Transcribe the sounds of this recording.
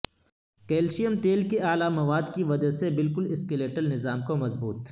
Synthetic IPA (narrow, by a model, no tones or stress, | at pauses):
keːlʃijəmt̪eːlkeaːlamɐʋaːd̪kiʋɐd͡ʒasebɪlkʊlɪskeleːʈəlnɪzaːmkomɐzbuːt̪